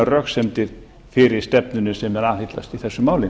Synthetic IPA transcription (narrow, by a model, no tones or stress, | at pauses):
arœxsɛmt̪ɪɾ̥ | fɪːɾɪɾ̥st̪ɛpnʏnʏsɛmːɛðaːðhɪt̪la̰st̪iθɛsːʏmaːwlɪ